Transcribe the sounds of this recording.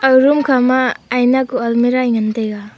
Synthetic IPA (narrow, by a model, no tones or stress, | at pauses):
awɾumkʰamaːjnakualmiɾajŋantejɡa